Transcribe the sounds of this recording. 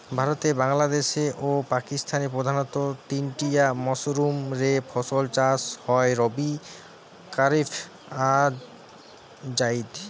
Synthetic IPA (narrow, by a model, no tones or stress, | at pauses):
bʱaɾot̪ebaŋlad̪eʃeʔopakist̪ʰanepɾod̪ʱanɔt̪ot̪inʈijamɔsɾumɾepʰɔsolt͡ɕashɔeɾobi | kaɾipʰ | a | d͡ʑaid̪